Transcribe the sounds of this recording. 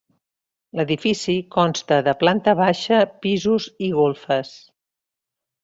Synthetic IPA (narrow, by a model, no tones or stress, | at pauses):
ləðifisikɔnst̪əðəplant̪əβaʃəpizuziɣolˠfəs